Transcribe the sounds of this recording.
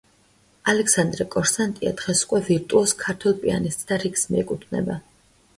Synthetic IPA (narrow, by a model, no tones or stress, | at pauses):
alɛksand̪ɾɛkʼɔɾsant̪ʼia̰d̪ʁɛsu̥kʼwɛviɾt̪ʼuɔskʰaɾt̪ʰwɛlˠpʼia̰nist̪ʼd̪̥aɾiksmiɛkʼut̪ʰvnɛ̰ba